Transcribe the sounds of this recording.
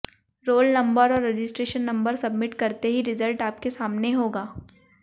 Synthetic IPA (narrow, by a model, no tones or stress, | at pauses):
ɾoːlnɐ̃mbəɾɔːɾːed͡ʒɪsʈɾeːʃənːɐ̃mbəɾsɐbmɪʈkɐɾt̪eɦiɾɪzəlʈaːp̚kesaːmneɦoːɡaː